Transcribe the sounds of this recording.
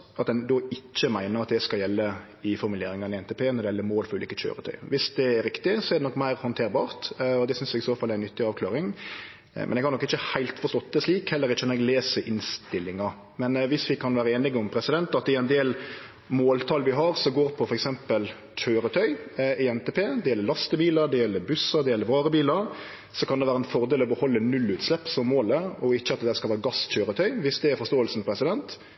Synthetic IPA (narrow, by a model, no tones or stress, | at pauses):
ɑt̪d̪ɛnd̪oːɪt͡ʃːəmæɪnəɾɑt̪̚d̪ɛskɑljɛlːə | ɪfɔɾmʉleːɾɪŋɑnɪɛnt̪ɛpʰeːnɔɾd̪ɛɪɛlːəɾmoːlfɔɾʉːliːkət͡ʃø̰ːɾət̪ʰœ̰ʏʋɪsd̪ɛːɾɪkt̪ɪsɔɛɾd̪ɛnɔkːmæɪɾhɔnt̪ʰeːɾbɑːɾt̪ɔd̪ɛsʏnsjɛɡɪsoːfɑlːɛɾɪnːʏt̪ːɪɑːʋkʰlɑːɾɪŋ | mɛ̰nɛɡhɑɾnɔkːɪçːəhæɪlt̪fɔɾst̪ɔt̪ːəsliːkhɛlːəɾɪt͡ʃːənnɛɡleːsəɾʔɪnst̪ɪlːɪŋɑ | mɛnʋɪsʋɪkʰɑnʋæːɾəeːnɪɡəʊmpʰɾɛsɪd̪ɛnt̪ɑt̪ɪɛɪnd̪eːl | moːlt̪ʰɑːlʋɪɦɑɾsɔɡoːɾpʰɔfɔɾɛksɛmpəl | c͡çøːɾət̪ʰœʏɪɛnt̪eːpʰeːd̪ɛjɛlːəɾlɑst̪əbiːləɾd̪ɛjɛlːəɾbʉsɑd̪ɛjɛlːəɾʋɑːɾəbiːləɾ | sɔkʰɑnd̪ɛʋæːɾəɛnfɔʁd̪eːlɔbəhɔlːənʉlːʉːt̪slɛpːsɔmːoːləɔɪçːəɑt̪̚d̪ɛd̪æːɾskɑlʋæːɾɡɑsc͡çøːɾət̪ʰœʏʋɪsd̪ɛɛɾfɔst̪oːəlsn̩pʰɾɛsɪd̪ɛnt̪